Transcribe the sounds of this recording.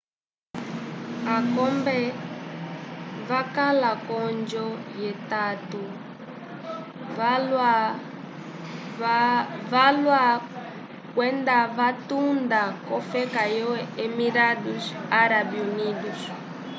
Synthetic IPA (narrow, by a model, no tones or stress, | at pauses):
akɔmbɛ | vakalakɔnd͡ʒɔjɛtatu | la | valwa | kwɛndavatundakɔfɛkajɔwɛɛmiɾadusaɾabiunidus